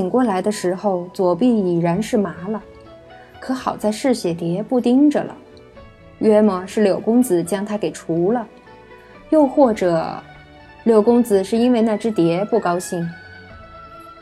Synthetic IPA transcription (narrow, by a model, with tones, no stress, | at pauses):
i˨˩ŋkwɔ˥˩la˧˥ɪd̪ə˧ʂɻ̩˧˥xo˥˧ʊt͡swɔ˨˩pi˥˩i˨˩ɻa˧˥nʂɻ̩˥˩ma˧˥lə˧ | kʰɤ˧˥xɑ˨˩ʊt͡sa˥˧ɪʂɻ̩˥˩ɕjɛ˨˩t̪jɛ˧˥pu˥˩t̪i˥ŋʈ͡ʂə˨lə̰˩ | ɥɛ˥mə˥˩ʂɻ̩˥˩ljo˨˩ʊkʊ˥ŋt͡sɹ̩˨˩t͡ɕjɑ˥ŋt̪ʰa˥ke˨˩ɪʈ͡ʂʰu˧˥lə˧ | jo˥˧ʊxwɔ˥˩ʈ͡ʂɤ˨˩˦ | ljo˨˩ʊkʊ˥ŋd͡zɹ̩˨˩ʂɻ̩˥˩i˥nwe˥˧ɪna˥˩ʈ͡ʂɻ̩˥t̪jɛ˧˥pu˥˩kɑ˥ʊɕi˥˩ŋ